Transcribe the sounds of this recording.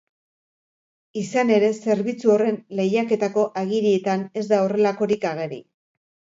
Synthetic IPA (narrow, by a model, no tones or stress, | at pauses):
isane̞ɾe̞se̞ɾβit͡suo̞re̞nle̞jake̞t̪ako̞ʔaɣiɾie̞t̪ane̞zd̪ao̞re̞lako̞ɾikaɣ̞e̞ɾḭ